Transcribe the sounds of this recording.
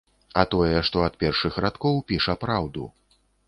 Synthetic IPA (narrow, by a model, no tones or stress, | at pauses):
ɐt̪ɔjɛʂt̪ɔɐt̪pʲɛrʂɨxɾat̪kɔwpʲiʂɐpɾawd̪ṵ